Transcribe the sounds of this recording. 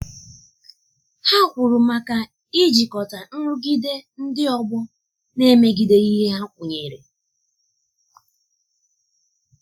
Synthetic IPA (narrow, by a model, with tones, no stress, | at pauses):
ha˦kʷʊ˨ɾʊ˨ma˨ka˦ | i˦d͡ʒi˨kɔ˨ta˨n̩˦ɾʊ˦ɡi˦de˦n̩˦dɪ˦ɔ˦ɡ͡bɔ˦ | ne˦me˦ɡi˨de˦i˦ɦe˦ɦa˦kʷu˨ɲe˨ɾe˨